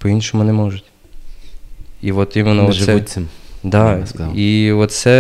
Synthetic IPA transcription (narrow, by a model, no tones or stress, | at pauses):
pɔinʃɔmʊnɛmɔʒʊtʲ | iʋɔt̪imɪnɔɔsɛ | d̪ɑiɔt̪sɛ